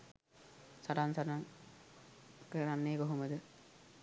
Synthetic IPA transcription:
saɾansaɾaŋ | kəɾanːeːɡoɦoməd̪ə

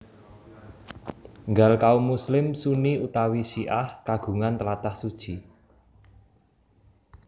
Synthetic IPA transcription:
ŋɡalkaumuslɪmsuniut̪awisiʔahkaɡ̥ṳŋant̪əlat̪ahsud̥ʒ̥i

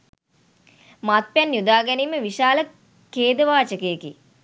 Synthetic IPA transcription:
mat̪̚pjænjud̪aːɡæniːməʋiʃaːlə | keːd̪əʋaːt͡ʃəkəjeki

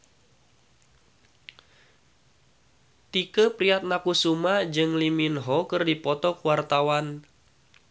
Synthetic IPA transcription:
t̪ikəpɾiat̪̚nakusumad͡ʒɨŋliminɦɔkɨrdipɔt̪ɔkuwart̪awan

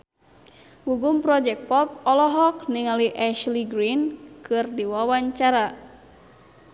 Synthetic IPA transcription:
wuɡumpɾɔd͡ʒɛk̚pɔp̚ɔlɔɦɔk̚niŋaliʔɛʃliɡɾinkʰɨrdiwawaɲt͡ʃaɾa

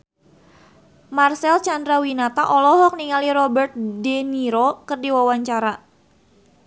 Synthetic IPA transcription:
marsɛlt͡ʃandɾawinat̪aʔɔlɔɦɔk̚niŋaliɾɔbərt̪̚deniɾokərdiwawaɲt͡ʃaɾa

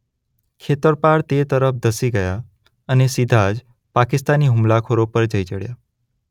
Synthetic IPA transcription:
kʰet̪əɾpaɽt̪et̪əɾəfd̪əsiɡəja | ənesid̪ʱad͡ʒ | pakɪst̪aniɦʊmlakʰoɾopəɾd͡ʒəjt͡ʃəɽja̰

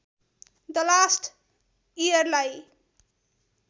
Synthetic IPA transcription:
d̪ʌlasʈ | ijʌɾlaj

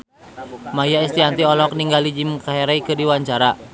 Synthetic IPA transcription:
majaɛst̪iant̪iɔlɔk̚niŋɡalid͡ʒimkaɦɛɾaikɨrdiwaɲt͡ʃaɾa

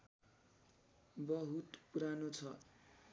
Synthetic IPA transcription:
bʌɦut̪puɾanot͡sʰʌ

